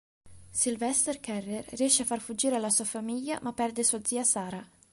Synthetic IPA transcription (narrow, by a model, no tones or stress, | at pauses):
silvɛst̪erkɛrːerriɛʃːeafarfud͡ʒːiːɾealːasuafamiʎːa̰mapːɛrd̪esuad̪ziːasaːɾa